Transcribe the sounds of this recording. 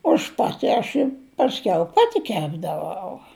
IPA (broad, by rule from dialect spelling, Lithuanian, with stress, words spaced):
ɐʃ ˈpɑːtʲɪ ɐʃ ˈɪ pɐsʲˈkʲɛʊ ˈpɑːtʲɪ ˈkʲæːbdɐʋɐʊ